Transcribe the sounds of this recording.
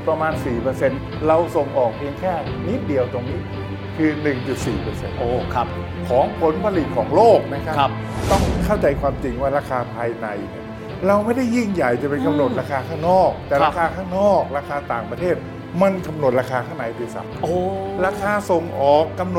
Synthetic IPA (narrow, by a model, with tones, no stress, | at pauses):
pɾa˧maː˧nsiː˨˩pɤː˧se˧n | ɾa˧wso˨˩ŋʔɔː˨˩k̚pʰi˧əŋkʰɛː˥˩ni˦˥t̪̚di˨˧əwt̪o˧ŋni˦˥ | kʰɯː˧nɯ˨˩ŋt͡ɕu˨˩t̪̚siː˨˩pɤː˧sḛ˧noː˧kʰ | kʰɔː˩˦ŋpʰo˨˦npʰa˧li˨˩t̪̚kʰɔː˩˦ŋloː˥˩k̚na˦˥kʰa˦˥˦p̚ | t̪ɔ˥˩ŋkʰa˥˩wt͡ɕa˧jkʰwaː˧mt͡ɕi˧ŋwaː˥˩ɾaː˧kʰaː˧pʰaː˧jna˧˩jni˧˩ | ɾa˧wma˥˩jda˥˩jːi˥˩ŋja˨˩jt͡ɕa˨˩pe˧nka˧mno˨˩t̪̚ɾaː˧kʰaː˧kʰaː˥˩ŋnɔː˥˩k̚t̪ɛː˨˩ɾaː˧˥kʰaː˧kʰaː˥˩ŋnɔː˥˩k̚ɾaː˧kʰaː˧t̪aː˨˩ŋpɾa˧eː˥˩t̪̚ | ma˧nka˧mno˨˩t̪̚ɾaː˧kʰaː˧kʰaː˥˩na˨˦jt̪i˨˧˩sa̰˨˩˦moː˨˧˩ɾaː˧kʰaː˧so˨˩ŋʔɔː˨˩kːa˧mno˨˩